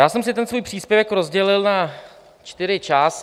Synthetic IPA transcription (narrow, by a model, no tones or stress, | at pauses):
jaːsɛmsɪt̪ɛnsvuːjpr̥iːspjɛvɛkɾo̞zɟɛlɪlna | t͡ʃt̪ɪɾɪt͡ʃaːs